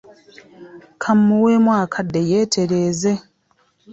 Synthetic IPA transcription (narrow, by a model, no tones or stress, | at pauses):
kʰamːuweːmwaːkʰadːe̞jeːtʰe̞ɾe̞ːze̞